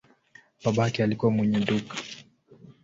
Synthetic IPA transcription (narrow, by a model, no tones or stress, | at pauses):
baɓakɛalikuwamwɛɲɛɗukḁ